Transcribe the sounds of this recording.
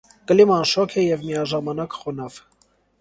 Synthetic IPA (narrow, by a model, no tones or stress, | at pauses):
kəlimɑnʃɔkʰɛjɛvmijɑʒɑmɑnɑkχɔnɑv̥